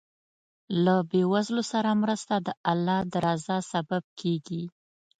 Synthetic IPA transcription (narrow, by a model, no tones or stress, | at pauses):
labewazlosaɾamɾəst̪ad̪əʔalːɑd̪aɾɑzasabab̚kʰeɡi